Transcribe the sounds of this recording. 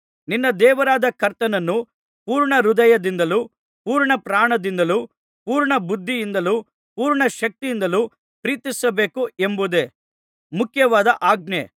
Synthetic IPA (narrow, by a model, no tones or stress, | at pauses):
ninːɐd̪ɛːʋɐɾaːd̪ɐkɐɾt̪ɐnɐnːu | puːɾɳɐɾud̪ɐjɐd̪ind̪ɐlu | puːɾɳɐpɾaːɳɐd̪ind̪ɐlu | puːɾɳɐbud̪ʱːijind̪ɐlu | puːɾɳɐʃɐk̚t̪ijind̪ɐlu | pɾiːt̪isɐbe̞ːkuembud̪e | mukʰjɐʋaːd̪ɐʔaːɡ̚ne